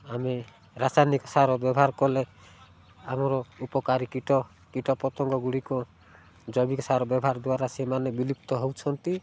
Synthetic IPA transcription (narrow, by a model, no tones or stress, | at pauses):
ame | ɾasanikɔsaɾɔbjɔbʱaɾkɔle | amɔɾɔupɔkaɾikiʈɔ | kiʈɔpɔt̪ɔŋɡɔɡuɽikɔ | d͡ʒɔbikɔsaɾɔbjɔbʱaɾd̪uwaɾasemanebilipt̪ɔɦɔwt͡ʃʰɔnt̪i